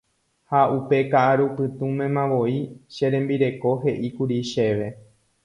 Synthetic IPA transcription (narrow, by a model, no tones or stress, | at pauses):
haupe̞kaʔaɾupɨt̪ũmẽ̞mãʋo̞iʃeɾẽ̞mbiɾe̞ko̞ɦe̞ʔikuɾiʃe̞ʋe̞